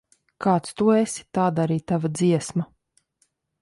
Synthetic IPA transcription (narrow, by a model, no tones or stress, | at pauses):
kʰaːt̪st̪uesi̥t̪aːd̪aɾiːt̪avad̪ziɛsma